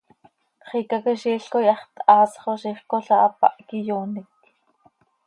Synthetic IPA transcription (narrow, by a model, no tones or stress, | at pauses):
kχiːkakiʃiːɬkojɑχt̪ɑːsχoʃiχkoɬɑʔɑpɑ̰ʔkijuːnik̚